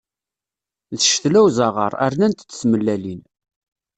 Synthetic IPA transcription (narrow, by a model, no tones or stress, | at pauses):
ðəʃθlæwzɑʁə̰ɾˤæ̰ɾnænt̪t͡sːə̥sməlːælin